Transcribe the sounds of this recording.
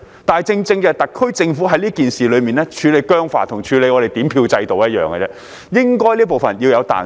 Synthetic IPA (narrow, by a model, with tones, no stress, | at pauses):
t̪aː˨˩t͡sɪ˧ŋt͡sɪ˧ŋkɛː˧t̪ɐ˨kʰːɵ˥t͡sɪ˧ŋfu˨˥ɦɐ˧˥jliː˥kiː˨nsiː˨˩lɵ˨˧ɥmiː˨˩nlɛː˥t͡ʃʰyː˨˧le˨˧jkœː˥ŋfa̰ː˨˩t̪ʰʊ˨˩ŋt͡ʃʰyː˨˧le˨˧jŋɔː˨˧ɾe˨˩jt̪iː˨˥mpʰiː˧wt͡sɐ˧jt̪o˨wjɐ˥t̚jœ̰ː˨˩ŋɡɛ̰˧t͡sɛː˥ | jɪ˥ŋkɔː˥jliː˥p̬o˨wfɐ˨njiː˧wjɐ˨˧wt̪a̰ː˨